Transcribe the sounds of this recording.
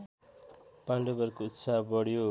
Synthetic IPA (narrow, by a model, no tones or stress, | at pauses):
paɳɖebʌrkout̪sabʌɽjo